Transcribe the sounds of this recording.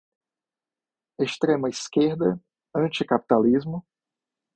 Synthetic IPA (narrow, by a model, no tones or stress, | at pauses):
est̪ɾẽmɐiskeɾd̪ɐ | ɐ̃t͡ʃikapi̥t̪alizmʊ